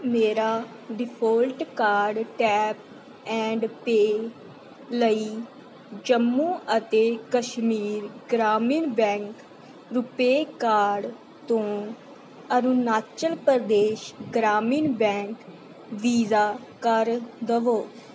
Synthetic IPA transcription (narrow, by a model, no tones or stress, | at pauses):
meːɾaː | ɖɪpʰoːlʈkaːɾɖʈɛːp̚ | ɛ̃ːɳɖpeː | ləiː | d͡ʒəmːũːʔət̪eːkəʃmiːɾɡɾaːmiːnbɛ̃ːŋk | ɾʊpeːkaːɾɖ | t̪õː | əɾunaːt͡ʃəlpəɾd̪eːʃɡɾaːmiːnbɛ̃ːŋk | ʋiːzaː | kəɾd̪əʋoː